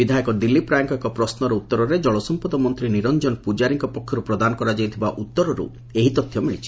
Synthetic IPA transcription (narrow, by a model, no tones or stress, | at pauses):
bid̪ʱajɔkɔd̪ilːipɾajɔŋkɔekɔpɾɔsnɔɾɔut̪ːɔɾɔɾed͡ʒɔɭɔsɔmpɔd̪ɔmɔnt̪ɾiniɾɔnd͡ʒɔnɔpud͡ʒaɾiŋkɔpɔkʰːjɔɾupɾɔd̪anɔkɔɾad͡ʒajt̪ʰibaʔut̪ːɔɾɔɾṵ | eɦit̪ɔt̪ʰːjɔmiɭit͡ʃʰi̥